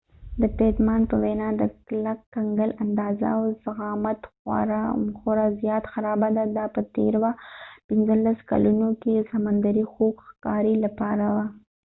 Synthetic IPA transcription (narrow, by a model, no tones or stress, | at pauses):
d̪ət̪et̪mɑnpəwenɑd̪əklakːaŋɡəland̪ɑza̰wzaɣɑmat̪xwa̰ɾamxoɾazjɑt̪xaɾɑbad̪ad̪ɑpət̪ḛɾwapɪnzəlːaska̰lunokesamand̪aɾixoɡxkɑɾilapɑɾawa